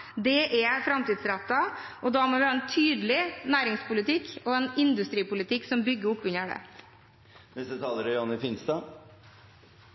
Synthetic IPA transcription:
d̪ɛʔɛfɾɑmt̪iːd̪sɾæt̪ːɑʔɔd̪ɑmɔʋæɾɛnt̪ʰyːd̪lɪnæːɾɪŋspʊlɪt̪ʰɪkɔɛnɪnd̪ʉst̪ɾiːpʊlɪt̪ɪksɔmbʏɡːəʊpːʉɲəɖɛ̰ | nɛst̪ət̪ʰɑːləɾjɑnɪfɪnst̪ɑ

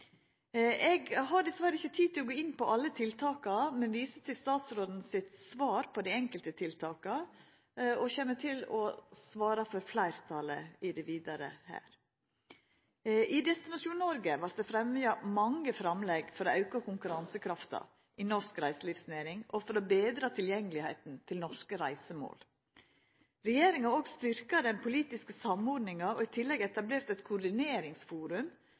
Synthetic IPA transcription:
ʔɛɡɦɑɖɛsʋæːɾəɪçːət̪ʰiːd̪̚t̪ɪlɔɡoːɪnpɔʔɑlːət̪ʰɪlt̪ʰɑːkɑmɛnʋiːsət̪ʰɪlst̪ɑːt̪sɾoːd̪n̩sɪt̪sʋɑːɾpʰɔd̪ɪɛŋkəlt̪ət̪ʰɪlt̪ʰɑːkɑ | ɔçɛmːət̪ʰɪlɔsʋɑːɾɑfɔɾflæɪɾt̪ʰɑːlə̰ɪd̪ɛʋiːd̪ɑɾə̰hæ̰ːɾ | ɪd̪ɛst̪ɪnɑʂuːnəɔɾɡəʋɑɾt̪̚d̪ɛfɾɛmʏɑmɑŋːəfɾɑmlɛɡfɔɾoːʔɑʉkɑkʊŋkʉɾɑnsəkʰɾɑft̪ɑ̰ | ʔɪnɔskɾæɪsəliːfsneːɾɪŋɔfɔɾɔbeːd̪ɾɑːt̪ʰɪljɛŋːəlɪheɪt̪n̩t̪ʰɪlnɔʂkəɾæɪsəmo̰ːl | ɾɛjeːɾɪŋɑoːɡst̪ʏɾkɑd̪ɛnpʰʊliːt̪ɪskəsɑmɔɖnɪŋɑoɪt̪ʰɪlːɛɡɛt̪ɑbleːɾt̪ɛt̪kʰʊɾɖ̪ɪneːɾɪŋsfuːɾʉm

